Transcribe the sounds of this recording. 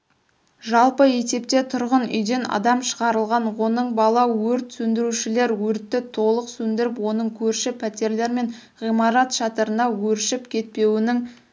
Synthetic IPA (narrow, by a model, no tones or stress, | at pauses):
ʒɑlˠpəe̞se̞p̚t̪e̞t̪ʰʊɾʁənʏ̰jd̪e̞nɑ̰d̪ɑmʃə̥ʁɑɾəlˠʁɑnwo̞nəɴbɑlˠɑwɵɾt̪sɵnd̪ɪɾuʃɪle̞ɾwɵɾt̪ːɪt̪ʰo̞lˠəqsɵnd̪ɪɾɪpwo̞nəɴkʲʰɵɾʃɪpʰæt̪e̞ɾle̞ɾme̞n | ʁijmɑɾɑt̪ʃɑt̪əɾənɑwɵɾʃɪpkʲʰe̞t̪̚pe̞wɪnɪŋ